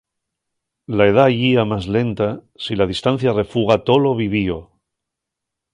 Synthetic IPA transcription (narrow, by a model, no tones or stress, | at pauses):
lae̞ð̞aʝiamazle̞nt̪a | silað̞ist̪anθjare̞fuɣat̪o̞lo̞βiβ̞io